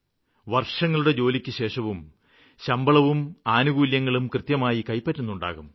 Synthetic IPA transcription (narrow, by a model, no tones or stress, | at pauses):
ʋɐrʂɐŋːɐɭuɽe̞d͡ʑo̞ːlikʲːɨɕe̞ːʂɐʋum | ɕɐmbɐɭɐʋumaːnuɣuːljɐŋːɐɭumkrɨt̪jɐmaːjikɐjpːɐtːunːuɳɖa̰ːɣum